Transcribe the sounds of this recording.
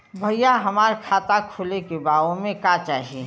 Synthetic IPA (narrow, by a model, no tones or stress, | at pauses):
bʱɐjaɦɐmaːɾkʰaːt̪akʰʊlekebaːʋõmẽkaːt͡ʃaːɦie